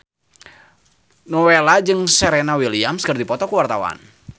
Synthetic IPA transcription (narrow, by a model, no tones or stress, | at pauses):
nɔwelad͡ʒɨŋseɾenawiliamskərd̪ipɔt̪ɔkuwart̪awa̰n